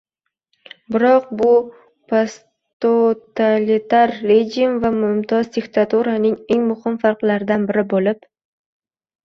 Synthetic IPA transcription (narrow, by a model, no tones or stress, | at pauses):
bɪɾɒqbʊ | pʰos | t̪ot̪alit̪ʰaɾːed͡ʒʲɪmvamʊmt̪ʰɒzd̪ɪkt̪ʰat̪uɾanɪŋe̞ŋmʊhɪmfaɾqlaɾɪd̪anbɪɾɪbolɪp